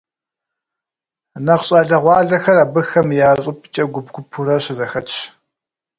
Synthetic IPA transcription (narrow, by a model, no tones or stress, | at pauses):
nɐqɕʼaːɮɐʁʷɑːɮɐxɐɾaːbɨxɐmjaːɕʼʊpʰʼt͡ʃʼɐɡʷʊbɡʷʊpʰʊɾɐɕɪzɐxɐtʃ